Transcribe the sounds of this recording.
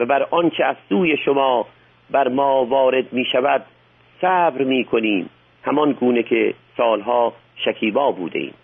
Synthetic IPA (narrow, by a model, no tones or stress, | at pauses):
væbæɾʔɒnt͡ʃʰeæzsuːjeʃomɒː | bæɾmɒːvɒːɾed̪miːʃævæd̪̥̚ | sæːbɾmiːkʰoniːm | hæmɒnɡuːnekʰesɒːlɦɒː | ʃækʰiːbɒːbṵːd̪ḛḭːm